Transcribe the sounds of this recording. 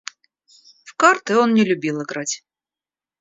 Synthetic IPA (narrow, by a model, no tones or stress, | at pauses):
fkart̪ɨo̞nnʲɪlʲʊbʲilˠɨɡɾatʲ